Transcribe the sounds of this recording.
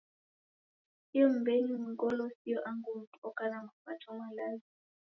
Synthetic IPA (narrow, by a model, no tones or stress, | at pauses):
iɔm̩benim̩ŋɡɔlɔsijɔʔaŋɡum̩tuɔkanamufatʰɔmwalazi